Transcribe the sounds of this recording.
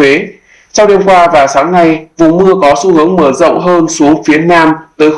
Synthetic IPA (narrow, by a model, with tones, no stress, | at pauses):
e˨˦ | t͡ɕa˧wɗi˧mkwaː˧vaː˨˩saː˨˦ŋna˧jvṵ˨˩mɨ˧əkɔ˨˦su˧hɨ˨˦əŋməː˧˩zɔ̰˧˨wŋ͡mɦəː˧nsu˨˦əŋfi˨˦ənaː˧mt̪əː˨˦j